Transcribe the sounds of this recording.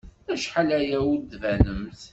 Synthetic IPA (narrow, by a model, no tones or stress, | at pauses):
æʃħalæjæud̪vænəmθ